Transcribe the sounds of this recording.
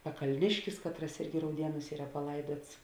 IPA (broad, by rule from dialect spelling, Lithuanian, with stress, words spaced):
pɐkɐlʲˈnʲɪʃʲkʲɪs ˈkɑːtˌrɐs ˈɪrʲɡʲɪ rɐʊˈdʲiɛnuːs ˈiːrɐ pɐˈlˠɐɪduɔts